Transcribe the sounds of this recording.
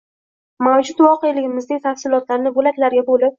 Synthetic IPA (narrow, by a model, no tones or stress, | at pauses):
mawd͡ʒʊt̪vɒqejlɪɡʲɪmɪznɪŋʲt̪ʰafsɪlˠɒt̪laɾnɪbolak̪ʲlaɾɡʲabolɪp̚